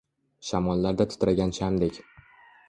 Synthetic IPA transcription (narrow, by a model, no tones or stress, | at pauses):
ʃamɒlːaɾd̪at̪ʰʊ̥t̪ʰɾaɡʲant͡ʃʰamd̪ekʲ